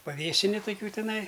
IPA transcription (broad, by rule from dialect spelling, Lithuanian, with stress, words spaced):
pɐˈʋʲeːsʲɪnʲɪ toːˈkʲuː tʲɪˈnɐɪ